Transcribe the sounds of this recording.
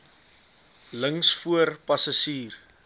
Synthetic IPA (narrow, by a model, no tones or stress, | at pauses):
ləŋsfuərpɐsɐsiːr